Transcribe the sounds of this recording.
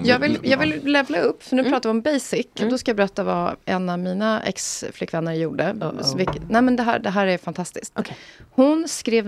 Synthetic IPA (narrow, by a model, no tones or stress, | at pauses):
jɑːɡvɪljɑːɡvɪllɛvlaɵpːsɔnʉ̟ːpɾɑːt̪avɪɔmbɛjsɪkːd̪ɔskajɑbɛɾɛt̪ːava̰ʔɛ̰navmiːnaɛ̰ksflɪkːvɛnːəɾjuːɖəvɪknæɪmɛnd̪ɛɦæ̰ːɖɛɦæːɾæɾfant̪ʰast̪ɪskt̪ʰhʊnskɾeːv